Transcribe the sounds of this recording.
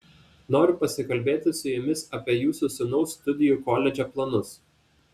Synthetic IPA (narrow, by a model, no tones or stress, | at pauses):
noːɾʲʊpɐsʲɪkɐlʲbʲeːt̪ʲɪsʊjɪmʲɪsɑːpʲiɛjuːsusʲʊnɔʊst̪ʊd̪ʲɪjuːˑkoːlʲɛd͡ʒʲɛplˠɐnʊs